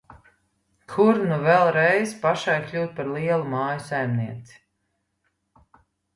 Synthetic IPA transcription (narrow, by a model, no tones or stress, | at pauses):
kʰuɾnuvɛlˠɾɛjzpaʃajklʲuːt̪̚paɾlˠiɛlˠumaːjusajmniɛt̪si̥